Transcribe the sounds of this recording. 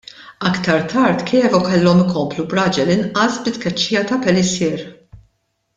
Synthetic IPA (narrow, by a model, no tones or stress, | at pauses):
ɐkt̪ɐɾt̪ʰɐɾt̪kʰɛːfɔkɛlːɔmɪkɔmplubɾɐd͡ʒɛlɪnʔɐsbɪt̪kɛt͡ʃːiːjɐt̪ɐpɛlɪsɪːɾ